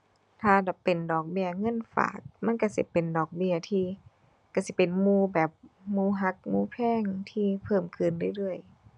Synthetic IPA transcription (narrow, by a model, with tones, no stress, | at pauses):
t̪ʰaː˧˩la˨˩pe˨ndɔː˨˩k̚bi˧ɐŋɤ˧˥˨nfa̰ː˨˩˦k̚ma˧˥˨nka˧˩si˧˦pe˨˩ndɔː˨˩k̚bi˧˨ɐt̪ʰiː˧ | ka˧˩˨si˧˦pe˨nmuː˧˩bɛː˨˩p̚muː˧˨ɦa˧˦˥k̚muː˧˨pʰɛː˧˥˨ŋt̪ʰiː˧pʰɤː˧˥˩mkʰɯ˧˩˨ndɯ˧˩˨jlɯ˧˩əj